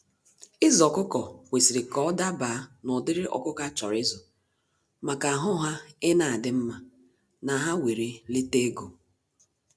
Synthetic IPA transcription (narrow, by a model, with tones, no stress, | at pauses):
ɪ˦zɔ˨kʊ˦kɔ˨wʷe˨si˨ɾɪ˨kɔ˨˦da˦ba˨a˦nɔ˨dɪ˦ɾɪ˦ʔɔ̰˨kʊ˦ka˦t͡ʃɔ˨ɾɪ˦zɔ˨ | ma˨ka˨a˨ɦʊ˦ɦa˦ɪ˦na˨a˨dɪ˦m̩˦ma˨ | na˨ɦa˦we˨ɾe˨li˦te˦ɡo˨